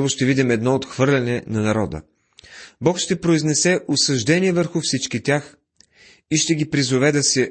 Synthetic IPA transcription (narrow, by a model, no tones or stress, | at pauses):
vʊʃt̪ɛvid̪imɛd̪nɔot̪xvɤɾlʲɛnɛnɐnɐɾɔd̪ə̰ | bɔkʃt̪ɛpɾoiznɛsɛʔosɐʒd̪ɛniɛvəɾxʊfsit͡ʃkit̪ʲjax | iʃt̪ɛɡʲipɾizovɛd̪ɐsɛ